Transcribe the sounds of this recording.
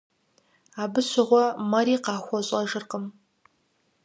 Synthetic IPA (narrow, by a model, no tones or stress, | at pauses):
aːbɨɕʷɪʁʷɔmɐɾiːqɑːxʷɔɕʼɐʒɨrqəm